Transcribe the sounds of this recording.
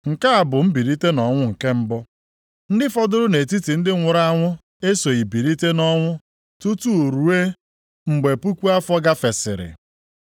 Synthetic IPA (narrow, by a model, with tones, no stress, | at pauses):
ŋ̩˨ka˦a˨bʊ˨m̩˦bi˨ɾi˦te˦nɔ˨ŋʷʊ˦ŋ̩˨ke˦m̩˦bɔ˦ | n̩˦dɪ˦fɔ˦dʊ˦ɾʊ˦ne˨ti˦ti˨n̩˦dɪ˦ŋʷʊ˨ɾa˦ŋʷʊ˦ | e˦so˨i˨bi˨ɾi˦te˦nɔ˦ŋʷʊ˦ | tu˦tu˦o˨ɾu˨e˦ | ŋ͡m̩˨ɡ͡be˨pu˦kʷu˦a˦fɔ˦ɡa˦fe˨sɪ˨ɾɪ̰˨